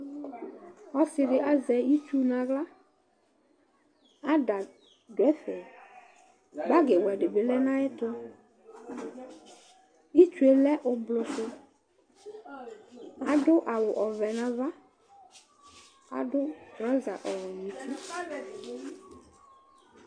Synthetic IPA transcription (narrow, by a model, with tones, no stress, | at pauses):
ɔ˦sɪ˨dɪ˨ʔa˦zɛ˨i˦t͡ʃu˦nã˨ɡla˦ | a˦da˨ | dwɛ˦fɛ˨ | ba˦ɡe˨wɛ˨ɖɪ˨bɪ˨lɛ˦nã˦ɪ˦tɔ˦ | i˦t͡ʃu˨˦e˨lɛ˦ʔʊ˨blʊ˨sʊ˦ | a˨dʊ˦ʔa˨wʊ˨ʔɔ˨vɛ˨nã˦va˦ | a̰˨dʊ˦ɾɔ˦za˨ʔɔ˨wɔ˨ɲĩ˨˦tʰi˦